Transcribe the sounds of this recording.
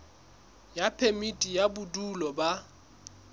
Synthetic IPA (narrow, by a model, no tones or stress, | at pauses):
japʰemitʼijabʊdulɔba